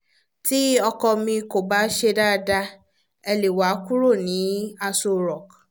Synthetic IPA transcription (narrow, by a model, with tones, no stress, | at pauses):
ti˦ɔ˧kɔ˧mĩ˧ko˨ba˦ʃe˧da˦˧da˧ | ɛ˧le˨wa˨˦ku˦ɾo˦˨nĩ˨˦a˧so˧ɾɔ˨k